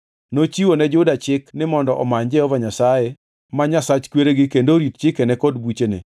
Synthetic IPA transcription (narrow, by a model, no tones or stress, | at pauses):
not͡ʃiwonɛd͡ʒʊdat͡ʃɪknɪmɔndɔʔɔmaɲd͡ʒɛɔvaɲasaje | maɲasat͡ʃkweɾeɡɪkendoɾit̪̚t͡ʃɪkɛnɛkɔdbut͡ʃenɪ̰